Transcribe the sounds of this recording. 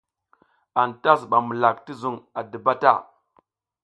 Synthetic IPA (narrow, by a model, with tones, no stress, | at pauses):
a˨nta˦s̬ɓa˨mu˨la˨k̚ti˦zu˨ŋa˨də˨ba˦ta̰˦˨